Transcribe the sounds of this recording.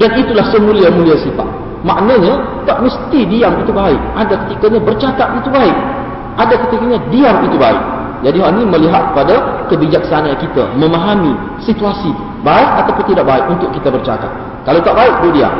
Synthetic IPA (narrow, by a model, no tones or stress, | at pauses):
danit̪ulahsəmũliamũliasifa̰t̪̚ | maʔnaɲat̪aʔməst̪idiaŋit̪ubaɪk̚adakət̪ikaɲãbərt͡ʃakat̪̚it̪ubaɪk̚ | ʔadakət̪ikaɲãdiaŋit̪ubaɪ̰k̚ | d͡ʒadiɦaʔnĩməliɦat̪̚kə̥padakəbid͡ʒaksanaːnkit̪a̰mə̃maɦami | sit̪uasi | baɪsat̪apʊnt̪idaʔbaɪk̚unt̪ʊʔkit̪abərt͡ʃa̰ka̰t̪̚ | kalawt̪aʔbaɪk̚dodia̰ŋ